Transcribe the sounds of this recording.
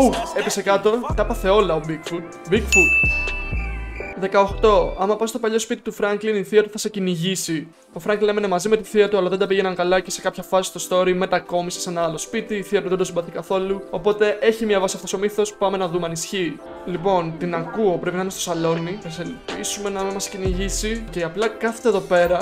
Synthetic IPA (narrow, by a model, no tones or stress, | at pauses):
ue̞pisekɐt̪o̞t̪ɐpɐθe̞o̞lɐobikfu | bikfu | ðe̞kɐoxt̪o̞ɐmɐpɐsst̪o̞pɐʎo̞spit̪it̪ufɾɐŋkliniθiɐt̪uθɐse̞ciniʝisi | o̞fɾɐŋɡlinemenemɐzime̞t̪iθiɐt̪uɐlɐðend̪ɐpiʝenɐŋkɐlɐce̞se̞kɐpçɐfɐsi̥st̪o̞st̪o̞ɾime̞t̪ɐko̞mise̥se̞nɐɐlospit̪iːθiɐt̪uðed̪osibɐθikɐθo̞luo̞po̞t̪e̞ʔe̞çimiɐvɐsiɐft̪oso̞miθo̞spɐme̞nɐðumeɐnisçi | lipo̞nt̪inɐkuo̞pɾepinɐinest̪osɐlo̞niθɐs̬elpisume̞nɐmimɐsciniʝisiceɐplɐkɐθe̥t̪eðo̞pe̞ɾɐ